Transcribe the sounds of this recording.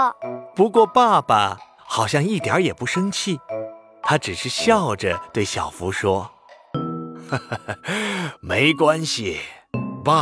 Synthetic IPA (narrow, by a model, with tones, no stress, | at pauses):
pu˧˥kwɔ˥˧pa˥˩pa˩ | xɑ˨˩ʊɕjɑ˥˧ŋi˥˩t̪jɑ̰˧˥jɛ˨˩pu˧˥ʂɤ˥ŋt͡ɕʰi˥˩ | t̪ʰa˥ʈ͡ʂɻ̩˨˩ʂɻ̩˥˧ɕjɑ˥˩ʊʈ͡ʂə˩t̪we˥˩ɪɕjɑ˨˩ʊfu˧˥ʂwɔ˥ | me˧˥ɪkwa˥nɕi˨˩pa˥